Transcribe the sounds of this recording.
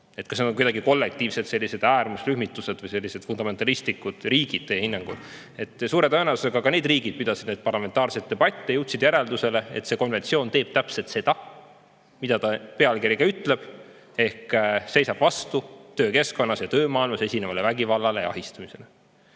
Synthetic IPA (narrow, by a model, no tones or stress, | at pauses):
et̪̚kɑsned̪oŋkujd̪ɑɡiko̞lːek̚t̪iːvset̪se̞lʲːise̞d̪̥æːɾmusryhmit̪ːˑuse̞d̪̥vɨjse̞lʲːise̞d̪fund̪ɑme̞nt̪ːˑɑlist̪ikːˑud̪̥riːɡ̥id̪̥̚t̪eːehinːɑŋɡ̥ṵl | e̞t̪ːˑsuːɾe̞t̪ɤenelsuseɡ̥ɑkɑneːd̪riːɡid̥̪̚pyd̪ɑsid̪̥ned̪̚pɑrlɑme̞nt̪ɑːrset̪̚ːe̞bɑt̪ʲˑːejuwt̪sid̪jæɾe̞ld̪use̞le̞et̪se̞ko̞nve̞nt̪sio̞ːnt̪e̞ːb̥̚t̪æpse̞lt̪se̞d̪̥ɑ | mid̪̥ɑt̪ɑpeɑlkiɾiɡɑyt̪ːˑle̞b̥ | e̞hkse̞jsɑb̥vɑst̪ut̪ø̞ːke̞sko̞nːɑsjɑt̪øːmɑːilmɑse̞sʲinemɑlevæɡivɑlːɑle̞jɑ̰ɑ̰ɦist̪ɑmise̞le